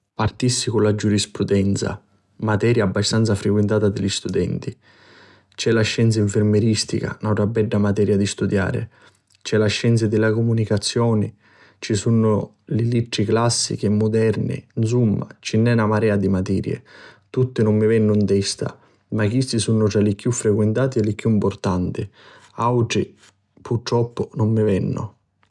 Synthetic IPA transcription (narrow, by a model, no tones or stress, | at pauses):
part̪isːikʊnlad͡ʒuɾispɾud̪ɛnt̪sa̰ | mat̪ɛːɾjaːbːast̪ant̪safɾekwent̪aːt̪ad̪ɪʎist̪ud̪ɛnt̪i | t͡ʃɛlaʃːɛnt̪s̬aiɱfɪɾmeɾist̪ḭka̰nawʈɾabːɛɖːamat̪ɛːɾjad̪ist̪ud̪ja̰ːɾɪ̰ | t͡ʃɛlaʃːɛnt̪sɪd̪ɪlakumunikat̪sːjɔːnɪ | t͡ʃisunːʊ | liliʈ̪ɾiklasːḭk̟emːʊd̪ɛrnḭns̬umːa̰t͡ʃinːɛnamaɾɛːad̪imat̪ɛːɾjḛt̪ut̪ːɪnʊmːɪvɛnːʊint̪ɛst̪a̰ | makːist̪isunːʊt̪ɾalɪkjufːɾekwent̪aːt̪ielːɪkːjuimport̪ant̪ɪ | awʈɾi | pʰurt̪ɾɔpːʊnʊmːɪvɛnːʊ̰